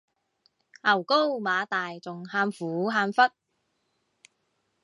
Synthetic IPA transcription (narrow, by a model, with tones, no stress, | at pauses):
ʔɐ˨˩wko˥wmaː˨˧t̪aː˨jt͡sʊ˨ŋhaː˧mfuː˨˥ɦaː˧mfɐ˥t̚